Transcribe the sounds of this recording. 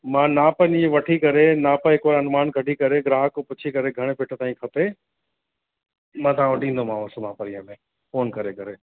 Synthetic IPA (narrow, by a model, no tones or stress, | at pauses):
mãːnãːpəniʋɐʈʰikɐɾenaːpəɦɪkʋaːɾɐnmaːnkɐʈikɐɾeɡɾaːɦəkːopʊt͡ɕʰikɐɾeɡʱɐɽ̃epɪʈʰət̪aːĩkʰɐpe | mãːt̪ʰaãʋɐʈʰĩːnd̪omãːʋɐsomãːpɐɾĩːəmẽ | foːnkɐɾekɐɾeː